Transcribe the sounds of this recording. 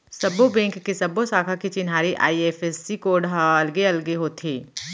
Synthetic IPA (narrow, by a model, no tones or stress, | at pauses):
sɐbobɛ̃ːŋkːesɐbosaːkʰakit͡ʃɪnɦaːɾiʔa̰ːieːfʰesːikoːɖɐlɡeɐlɡeɦoːt̪ʰeː